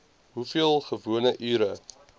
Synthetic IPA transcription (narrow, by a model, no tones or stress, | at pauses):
ɦufiəlˠχəvuənəʔyːɾə